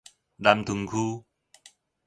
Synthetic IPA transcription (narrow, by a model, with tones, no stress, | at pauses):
la˨mt̪ʰu˨˦ŋkʰu˦